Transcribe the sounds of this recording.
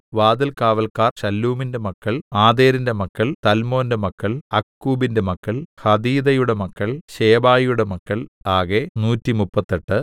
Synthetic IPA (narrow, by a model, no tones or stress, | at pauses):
ʋaːd̪ɐlkaːʋɐlkaːrɕɐlːuːminde̞mɐkːɐɭaːd̪e̞ːɾinde̞mɐkːɐɭt̪ɐlmo̞ːnde̞mɐkːɐɭɐkːuːbinde̞mɐkːɐɭhɐd̪iːd̪ɐjuɽe̞mɐkːɐɭɕe̞ːbaːjjuɽe̞mɐkːɐɭaːɣenuːtːimupːɐt̪ːeʈːɨ